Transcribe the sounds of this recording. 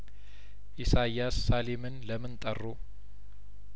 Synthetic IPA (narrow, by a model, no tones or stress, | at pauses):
ʔisajːasːalemɨnləmːɨnt̪ʼərːo